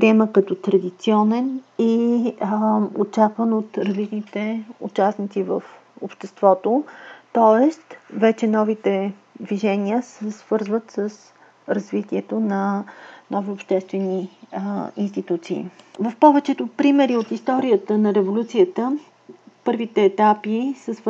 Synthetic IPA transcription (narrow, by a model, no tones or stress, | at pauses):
pɾiɛməkət̪ɔt̪ɾɐd̪it̪siɔnɛni | ot͡ʃakvənot̪ɾɐzlit͡ʃnit̪ɛo̰t͡ʃasnit̪sivəf | o̰pʃt̪ɛst̪vɔt̪ot̪ɔɛst̪vɛt͡ʃɛnɔvit̪ɛ | d̪viʒɛnʲiəsɛsvɤɾzvət̪səs | ɾɐzvit̪iɛt̪onɐnɔviopʃt̪ɛst̪vɛni | inst̪it̪ut̪sḭːvəfpɔvɛt͡ʃɛt̪ʊpɾimɛɾiot̪ist̪ɔɾiət̪ənɐɾɛvolʲut̪sijət̪ə | pɤɾvit̪ɛːt̪apisɛsv